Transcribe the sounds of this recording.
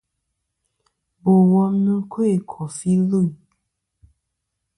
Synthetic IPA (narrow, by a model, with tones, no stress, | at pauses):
bo˨wɔ˧˦m˦nũ˦kʰo˦e˦˨kʰɔ˨fi˦lo˦˨i˨